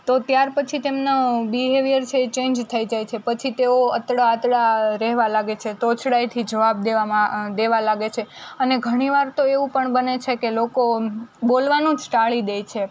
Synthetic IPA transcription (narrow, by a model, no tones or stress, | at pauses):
t̪ot̪jaɾpət͡ʃʰit̪emnabiɦeʋijəɾt͡ʃʰeːt͡ʃẽnd͡ʒt̪ʰəid͡ʒajt͡ʃʰepət͡ʃʰit̪eoət̪ɽaət̪ɽaɾɛɦʋalaɡet͡ʃʰet̪ot͡ʃʰɽajt̪ʰid͡ʒəʋab̚d̪eaad̪eʋalaɡet͡ʃʰeəneɡʱəɽ̃iʋaɾt̪oeʋũpəɳbənet͡ʃʰekelokobolʋanũd͡ʒʈaɭid̪ejt͡ʃʰe